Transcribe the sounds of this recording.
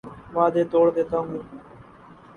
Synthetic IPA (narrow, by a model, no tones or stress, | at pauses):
ʋaːd̪eːt̪oːɽd̪eːt̪ãːŋː